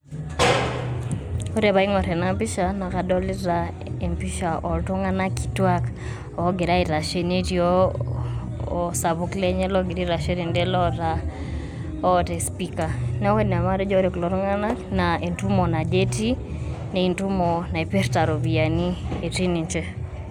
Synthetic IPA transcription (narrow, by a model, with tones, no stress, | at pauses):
ɔ˦ɾɛ˨βa˨i˦ŋɔ˨ɾɛ˨na˨mpi˦ʃa˨na˨ka˨dɔ˦li˦ɾa˦ | e˨mpi˦ʃa˨ʔɔ˨ltɔ˦ŋa˦na˦ki̥˨twa˦k | ɔ˦ɡɪ˨ɾa˦i˨ɾa˨ʃe˦ne˦tio˦ | sa˨βu˦klɛ˦ɲɛ˦lɔ˦ɡi˨ɾi˦ɾa˨ʃe˦ɾi˨ndɛ˦lɔ˦ta˦ | ɔ˦te˨spika˨nɛ˦we˦n˨a˨ma˦ɾɛ˦d͡ʒɔ˦ɾe˨klɔ˨ɾŋa˦na˦na˨e˨ntu˦mo˨na˨d͡ʒe˦ti˦ne˨i˨ntu˦mo˨na˨e˨pe˦rta˨ɾo˨bi˨a˨ni˦e˨ti˦ni˨ɲt͡ʃɛ˦